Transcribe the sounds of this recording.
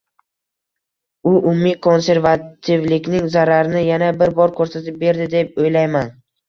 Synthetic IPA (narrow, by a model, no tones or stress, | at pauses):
ʊʔʊmːikʰo̞nse̞ɾvat̪ʰɪvlɪkʲnɪŋzaɾaɾnɪjanabɪɾbɒɾkʰɵɾsat̪ɪp̚be̞ɾd̪ɪd̪e̞p̚ojlajman